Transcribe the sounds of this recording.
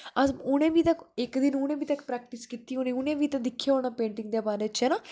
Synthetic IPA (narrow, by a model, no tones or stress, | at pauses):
əʊnẽːbiːt̪əkɪkd̪ɪnʊnẽːbiːt̪əkpɾɛːk̚ʈɪskiːt̪iːɦõːniːʊnẽːʋiːt̪ãd̪ɪkʰːjaːoːɳ̃aːpẽːɳʈɪŋɡ̚d̪eːbaːɾeːt͡ʃɛːnaː